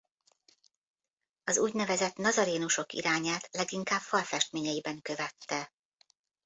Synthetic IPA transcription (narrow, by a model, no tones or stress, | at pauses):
ɒzuːɟnɛvɛzɛt̪nɒzɒɾeːnuʃo̞kḭɾaːɲaːt̪lɛɡiŋkaːbfɒlfɛʃt̪meːɲɛjibɛŋkø̞vɛt̪ːɛ